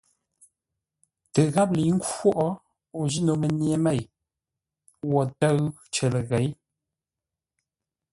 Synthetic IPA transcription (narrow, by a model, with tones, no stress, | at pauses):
tə˨ɣa˦p̚li˨˦ŋ̩˦kwɔ˦ʔɔ˦ | o˨ʒi˦no˨mə˨nje˨˦me˦˨j | wɔ˨tə˦ɰ | t͡ʃə˨lə˨ɣe˨˦j